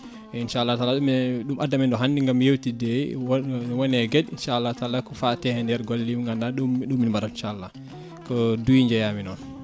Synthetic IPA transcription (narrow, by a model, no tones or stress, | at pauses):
ɛinʃaalːataːlaɗumɗumʔadːamɛndɔɦandiŋɡamjewtidɛ | wɔnɛɡɛdinʃaːlːatalakɔfatɛhɛndɛɾɡolːimŋɡandaɗuɗumːinmbaɾatt͡ʃalːa | kɔdujiɲd͡ʒɛjaminɔn